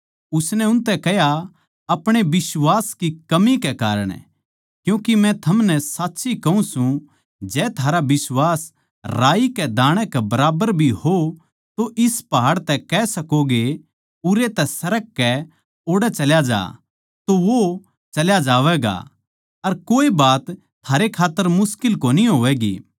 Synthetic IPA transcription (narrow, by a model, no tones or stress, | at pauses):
ʊsnɛʊ̃nt̪ɛkɛɦja | ɐpɽ̃ebɪswaːskikɐmikɛka̰ːɾə̰ɽ̃ | kjũːkimɛ̃t̪ʰɐmnɛ̃saːtːsikɐũsũ | d͡ʒɛːt̪ʰaːɾabɪswaːs | ɾaːikɛd̪aːɽ̃ɛkɛbɐɾaːbəɾbʱiho | t̪oʔɪspɐɦaːɽt̪ɛkɛsɐkoɡe | ʊɾet̪ɛsɐɾəkːɛ | oːɽɛt͡ʃɐljad͡ʒa̰ː | t̪oʋo | t͡ʃɐljad͡ʒaːʋɛːɡa̰ | ɐɾkoːibaːt̪ʰ | aːɾekʰaːt̪ːəɾmʊskɪlkoːniɦoːʋɛːɡḭː